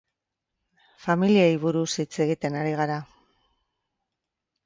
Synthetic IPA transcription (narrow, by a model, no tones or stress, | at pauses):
familiajβuɾusit͡se̞ɣit̪e̞naɾiɣaɾa